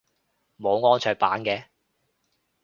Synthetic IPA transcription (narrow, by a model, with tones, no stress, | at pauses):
mo˨˧wŋɔː˥nt͡ʃʰœː˨˧paː˨˥nkɛː˧